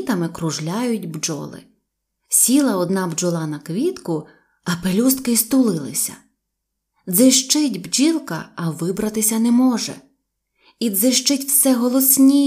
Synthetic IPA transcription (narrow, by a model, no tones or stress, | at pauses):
t̪ɐmɪkɾʊʒlʲajʊtʲbd͡ʒɔ̰lˠɪ̰ | sʲilˠɐɔd̪nɑbd͡ʒɔlˠɑnɐkʋʲit̪kʊ | ɐpelʲust̪kɪst̪ʊlˠɪlˠɪ̰sʲɐ̰ | d̪zɪʃt͡ʃɪtʲbd͡ʒilˠkɐɐʋɪbɾɐt̪ɪsʲɐnɛmɔʒɛ̰ | id̪zɪʃt͡ʃɪtʲwsɛɦɔlˠɔsʲnʲi